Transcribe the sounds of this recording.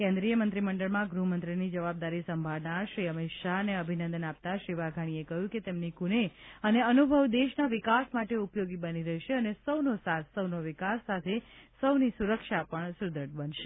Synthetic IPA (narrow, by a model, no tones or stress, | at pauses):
kẽnd̪ɾijəmənt̪ɾiməɳɖəɭmãɡɾuɦmənt̪ɾinid͡ʒəʋab̚d̪aɾisəmbʱaʋnaʃɾiəmɪʃaɦneəbʱinə̃nd̪ənap̚t̪aʃɾiʋaɡʱaɽ̃iekəɦjũket̪emnikuneəneənubʱəʋd̪eʃnaʋɪkasmaʈeupjoɡibəniɾəɦiʃeənesəʋnosasːəwnoʋɪkasːat̪ʰesəʋnisuɾəkʃapəɳsud̪ʱəʈ̚bənʃe̥